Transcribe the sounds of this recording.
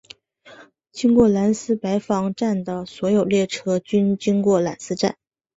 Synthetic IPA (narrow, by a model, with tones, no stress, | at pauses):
t͡ɕi˥ŋkwɔ˥˩la˧˥nsɹ̩˥pa˧˥ɪfɑ˧˥ŋʈ͡ʂa˥˩nd̪ə˩swɔ˧˥jo˨˩ʊljɛ˥˩ʈ͡ʂʰɤ˥t͡ɕy˥nt͡ɕi˥ŋkwɔ˥˩la̰˨˩nsɹ̩˥ʈ͡ʂa̰˥˩n